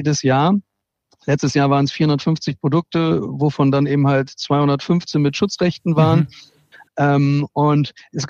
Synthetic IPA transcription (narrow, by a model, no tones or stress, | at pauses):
dəsjaːɐ | lɛt͡stəsjaːɐvaːʁənɛsfiːɐhʊndɐtfʏnft͡sɪçpʁ̥odʊk̚təvofɔndanʔeːbm̩haltt͡sv̥aɪhʊndɐtfʏnft͡sɪçmɪtʃʊt͡sʁɛçtn̩vaːʁən | ʔɛmʔʊntʔɛsɡ̥